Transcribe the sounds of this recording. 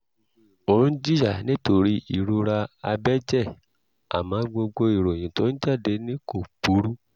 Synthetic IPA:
o˨ũ˦d͡ʒi˦ja˦˨nĩ˦to˧ɾi˦i˦˨ɾu˧ɾa˧a˧bɛ˦d͡ʒɛ˦˨ | a̰˨mã˨˦ɡ͡bo˧ɡ͡bo˧i˨ɾo˨j̃ĩ˨to˦n̩˦d͡ʒa˦˨de˧nĩ˦ko˦˨pu˨˦ɾu˦

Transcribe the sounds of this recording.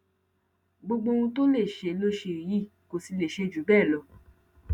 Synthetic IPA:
ɡ͡bo˧ɡ͡bo˧ũ˧to˦le˦˨ʃe˧˨˧lo˧ʃe˧˨ji˦˨ko˨si˧le˨ʃe˧˨d͡ʒu˨˦bɛː˦˨lɔ˨˧˦

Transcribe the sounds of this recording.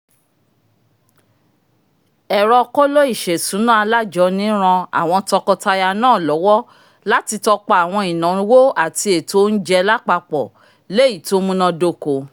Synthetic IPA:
ɛ˨ɾɔ˧kɔ˦lo˦i˦˨ʃɛ˨sũ˨˦nã˦a˧la˦d͡ʒɔ˨˦nĩ˦ɾ̃ã˧a̰˨w̃ɔ̃˧tɔ˧kɔ˧ta˧ja˧nãː˦˨lɔ˨˦wɔ˦ | la˦ti˧tɔ˧k͡pa˧a˨w̃ɔ̃˧i˨nã˨˧˦wo˦a˦˨ti˧e˨to˦n̩˦d͡ʒɛ˧la˦k͡pa˧k͡pɔ˨ | le˦i˦˨to˦mũ˦nã˧do˧˨ko˨

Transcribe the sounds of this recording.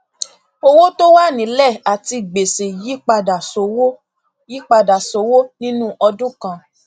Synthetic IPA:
o˧wo˦to˦wa˦˨nĩ˨˦lɛ˦˨a˨ti˧ɡ͡be˨se˨ji˦k͡pa˧da˨so˨˦wo˦ | ji˦k͡pa˧da˨so˨˦wo˦nĩ˦nũ˦ʔɔ˧dũ˦kã˧

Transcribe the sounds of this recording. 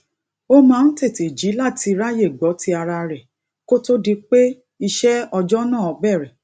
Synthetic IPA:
o˦mãː˦˧n̩˦te˦˨te˨d͡ʒi˨˦la˦˨ti˧ɾa˦je˦˨ɡ͡bɔ˨˦ti˦a˧ɾa˧ɾɛ˨ | ko˦to˦di˧k͡pe˦ | i˧ʃɛ˦ɔ˧d͡ʒɔ˦nãː˦˨ɔ˨˦bɛ˦˨ɾɛ˨

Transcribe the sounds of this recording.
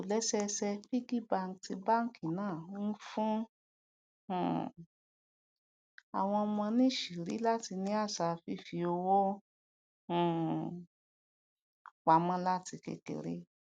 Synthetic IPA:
o˨lɛ˨˦sɛ˧sɛ˧fi˦ɡi˦ba˦˧˨ŋ˨ti˧ba˦˨ŋ̩˦˨kĩ˨nãː˦˨˧n̩˦fũ˦˨ | a̰˨w̃ɔ̃˧mɔ̃˧nĩ˦ʃi˨ɾḭ˨˦la˦ti˧nĩ˧˦a˦˨sa˧fi˧˦fi˧o˧wo˦˨ | wa˧mɔ̃˦la˦ti˧kḛ˧kḛ˧ɾḛ˦

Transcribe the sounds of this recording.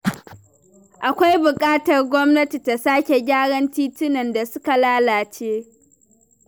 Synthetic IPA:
ʔa˨kʷa˦jbʊ˨kʼaː˦tɐ˨rɡʷɔ˦mnɐ˦ti˨ta˨saː˦kʲe˨ɡʲaː˦ɽɐ˦ntiː˦tɪ˦nɐ˨nda˨sʊ˦ka˨laː˦laː˨t͡ʃeː˦

